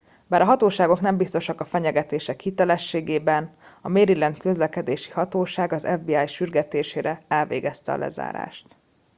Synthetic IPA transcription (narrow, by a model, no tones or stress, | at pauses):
baːɾɒɦɒt̪oːʃaːɡo̞knɛmbist̪o̞ʃɒkɒfɛɲɛɡɛt̪eːʃɛkhit̪ɛlɛʃːeːɡeːbɛnɒmeːɾilɛnt̪kø̞zlɛkɛd̪eːʃi̥hɒt̪oːʃaːɡɒzɛ̰vbiːaːjʃyrɡɛt̪eːʃeːɾɛɛlvḛːɡɛst̪ɛɒ̰lʔɛ̰za̰ːɾa̰ːʃt̪